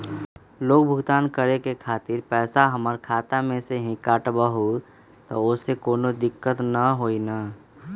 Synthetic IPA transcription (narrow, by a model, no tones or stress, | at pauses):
loːk̚bʱʊɡt̪aːnkəɾekekʰaːt̪ɪɾpɛːsaɦəməɾkʰaːt̪amẽseɦĩkaːʈbəɦu | t̪ɔ̰ʊsekoːnod̪ɪkːət̪nəɦoːina